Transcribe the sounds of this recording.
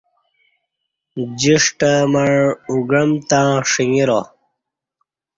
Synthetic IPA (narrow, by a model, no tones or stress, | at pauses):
d͡ʑiʂʈəməɻuɡəmt̪ãʂiŋiɾo